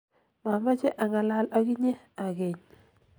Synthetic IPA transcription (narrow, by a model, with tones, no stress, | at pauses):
ma˨ma˦t͡ʃe˦ʔa˨ŋa˨la˦la˦ki˦ɲe˦ | a˨ɡe˨ɲ